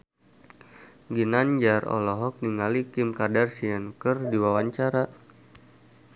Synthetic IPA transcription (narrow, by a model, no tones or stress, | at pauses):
ɡinand͡ʒarɔ̰lɔɦɔk̚niŋalikɪmkadarsiankərdiwawaɲt͡ʃaɾa